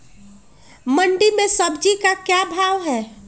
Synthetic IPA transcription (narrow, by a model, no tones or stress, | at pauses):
məɳɖimẽsəbd͡ʒikakjabʱaːʋɦɛː